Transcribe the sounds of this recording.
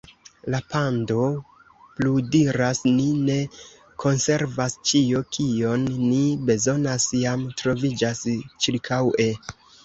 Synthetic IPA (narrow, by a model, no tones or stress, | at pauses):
lapando̞ | pludiɾasnine̞ | kʰo̞nse̞ɾvast͡ʃiokʰio̞nːibe̞zo̞nasjamtɾo̞vid͡ʒast͡ʃiɾkʰawe̞